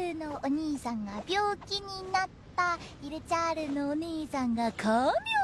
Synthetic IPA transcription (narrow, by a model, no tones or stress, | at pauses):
ɯnoʔʌɲisʰaŋɡapjok͈iɲinatt͈aiɾɯt͡ɕaɾɯnoːɲisʰaŋɡakʌm